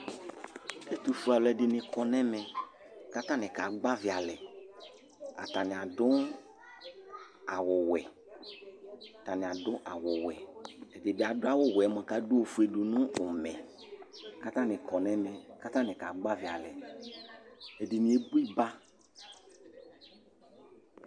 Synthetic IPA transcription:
e˦t̪u˨fu˨a˨lɛ˨dɪ˨nɪ̃˨kɔ˨nɛ̃˦mɛ˨ | ka˦t̪ã˦nɪ̃˨ka˨ɡ͡ba˦vɪ˨a˨lɛ˨ | a̰˨t̪a˨nɪ̃˨a˨ɖʊ˦ŋ | a˨wʊ˨wɛ˨ | a˨t̪a˨nɪ̃˨a˨dʊ˦ʔa˨wʊ˨wɛ˨ɛ˨dɪ˨dɪ˨a˨dʊ˦a˦wo˦wɛ˨˦mɔ̃˨ka˦do˦o˨fu˦e˨do˨nʊ̃˦o˨mɛ̃˨ | ka˦t̪ã˦nɪ̃˨kɔ˨nɛ̃˦mɛ̃˨ka˦t̪ã˦nɪ̃˨ka˨ɡ͡ba˦vi˨a˨lɛ̰˨ | ɛ˨dɪ˨nĩ˨e˦bu˦i˦ba˦

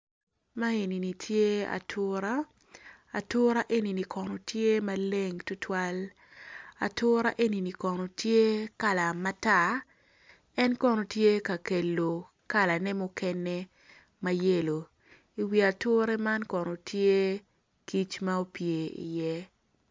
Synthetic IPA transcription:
ma˦e˨ni˨ni˨tʰje˦a̰˨tʰʊɾa̰ː˦˨ | tʊ˦ɾa˦ʔe˦ni˨ni˨kʰɔ˨no˨tʰje˦ma˦le˦ŋtʊ˦tʰwa˦l | a̰˨tʊ˦ɾa˦ʔe˦ni˨ni˨kɔ˨no˨tje˦ka˨la˨ma˦ta˦˨ | ɛ˦nkɔ˦no˨tje˦ka˨ke˨lːo˨ | ka˦la˨nɛ˦mʊ˦kɛ˦ne˦ | ma˦je˦lo˨ | i˨wi˨a˨tʊ˦ɾɛ˦ma˦nkɔ˨no˨tje˦ | ki˦t͡ʃma˦o˦pje˨ḭ˨jɛ˦

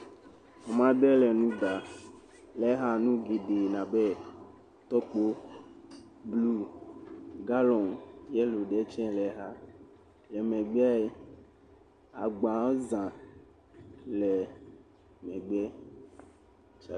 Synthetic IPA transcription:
ɔ˨mã˦d̪ɛ˦lɛ˨nũ˦d̪a˨ | lɛ˦ɦa˦nũ˦ɡe˨ɖe˨nã˨bɛ˦ | t̪ɔ˦k͡po˦ | blu˦ | ɡa˦lɔ˨njɛ˦lo˨ɖɛ˨˦t͡ʃɛ̃˦lɛ˨˦ɦa˦ | lɛ˨mɛ̃˨ɡ͡ba˦e˦ | a̰˨ɡ͡bã˨o˦zã˨ | lɛ˨ | mɛ̃˨ɡ͡bɛ˦ | t͡ʃa˨

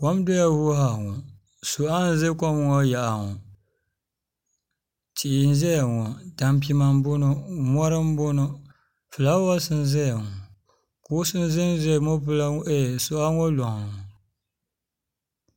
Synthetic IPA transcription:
kɔ˦m˦do˦ja˦wu˦ɦa˨ŋɔ˨ | so˨a˦n̩˦zɨ˦kɔ˦m˦ŋɔ˦ja˨ʔa˨ŋɔ˨ | t͡ʃi˨i˨n̩˦zɛ˦ja˨ŋɔ˨da˨mp̬i˦ma˨m˦bʊ˦nʊ˦mɔ˦ɾɨ˦m˦bʊ˦nʊ˦ | fɨ˨la˦wɔ˦sɨ˦n˦zɛ˦ja˨ŋɔ˨ | kʊ˨˦sɨ˦n˦zɨ˦n˦zɛ˦˨mo˦pɨ˦la˦e˦˨so˦a˦ŋɔ˦lɔ˨ŋ˨ŋ˨

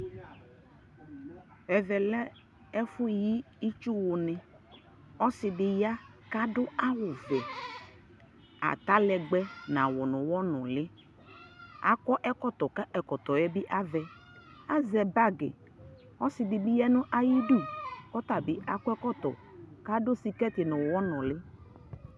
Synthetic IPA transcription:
ɛ˨vɛ˨lɛ˦ | ɛ˦fʊ˦ji˦ | i˦t͡ʃu˦wʊ˨nɪ˨ | ɔ˦sɪ˨dɪ˨ja˦ | ka˦dʊ˦a˦wʊ˨vɛ˨ | a̰˨t̪a˦lɛ˨ɡ͡bɛ˦nã˨wɔ˨nʊ̃˨wɔ˦nʊ̃˨lɪ˦ | a̰˨kɔ˦ʔɛ˦kɔ˦t̪ɔ˨ka˦ʔɛ˨kɔ˨t̪ɔ˨jɛ˦bi˦ʔa˦vɛ˨ | a˦zɛ˨ba˦ɡḛ˨ | ɔ˦sɪ˨dɪ˨bi˦ja˦nʊ̃˦ʔa˦ji˦du˦˨kɔ˦t̪a˨bi˦a˨kɔ˦ɛ˦kɔ˦t̪ɔ̰˨ | ka˦dʊ˦si˨kɛ˦t̪ɪ˨nʊ̃˨wwɔ˦nɔ̃˨lɪ˦

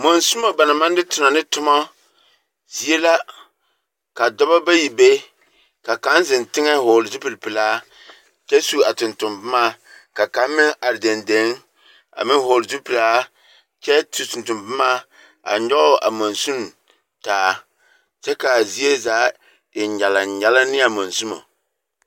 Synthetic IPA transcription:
mo˨nsu˦ma˨ba˨na˨ma˦n˦dɪ˦tʊ˨na˨nɨ˦tʊ˦mɔ˦ | zi˦e˦la˦ | ka˨dɔ˦ba˦ba˦ji˨be˦ | ka˨ka˨˦nzɪ˨ntɪ˦ŋɛ˦hoː˨lzu˦pɨ˨lpɨ˨laː˦ | t͡ʃɛ˦su˦a˨tʊ˨ntʊ˨mbɨ˦ma˦ | ka˨ka˨˦m˦mɪ˦ŋʔa˨ɾde˨nde˨˦ŋ | a̰˨mɪ˦ho˨lzu˦pɨ˨laː˦ | t͡ʃɛ˦tu˨tu˨ntʊ˨mbɨ˦maː˦ | a̰˨ɲɔ˦ʔʊ˦ʔa̰˨mo˨nsu˦n | taː˨˦ | t͡ʃɛ˦ka˨zi˦e˦zaː˨˦ | ɪ˨ɲɛ˨la˨ɲɛ˨la˦nɪ˦a˨mo˨nzu˦mo̰˨

